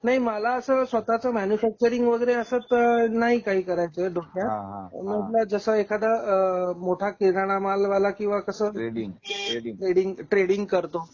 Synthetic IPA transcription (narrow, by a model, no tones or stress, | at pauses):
naɦiməlaəsəːsʋət̪at͡səmɛnjufɛk̚t͡ɕəɾiŋɡʋəɡəɾeəsət̪naɦikaɦiːkəɾajt͡səd̪ʱokjaɦməlad͡zəsəekʰad̪amoʈʰakiɾaɽ̃amalʋalakĩw̃ʋakəsəːɾiŋeʈɾeɽiŋɡʈɾeɽiŋɡkəɾt̪o